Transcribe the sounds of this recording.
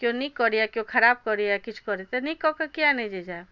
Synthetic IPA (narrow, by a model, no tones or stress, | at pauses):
kjõnikːɔɾijakjõkʰɐɾaːb̚kɔɾiakit͡ʃʰkɔɾit̪enikɔkakianed͡ʒed͡ʒa